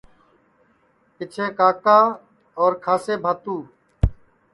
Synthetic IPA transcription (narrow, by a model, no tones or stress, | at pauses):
ɪt͡ʃʰeːkaːkaː | ɔːɾkʰaːseːbʱaːt̪uː